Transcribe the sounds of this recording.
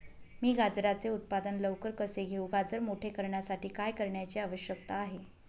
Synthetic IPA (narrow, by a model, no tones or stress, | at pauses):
miːɡad͡zɾat͡seut̪̚pad̪ənləʋkəɾkəseɡʱeũɡad͡zəɾmoʈʰekəɾɳjasaʈiːkajkəɾɳjat͡ɕiaʋəɕjəkt̪aːɦe